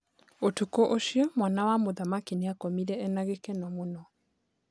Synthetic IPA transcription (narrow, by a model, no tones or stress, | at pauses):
otukoʔoʃiɔmwanawamoðamakineakomiɾɛɛnaɣekɛnɔmonɔ